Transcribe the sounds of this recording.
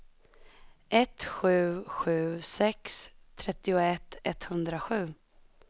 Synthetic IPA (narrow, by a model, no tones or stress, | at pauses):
ʔɛt̪ɧʉ̟ːɧʉ̟ːsɛkst̪ʰɾɛt̪ːɪʊɛt̪ʰːɛt̪hɵnd̪ɾaɧʉ̟ː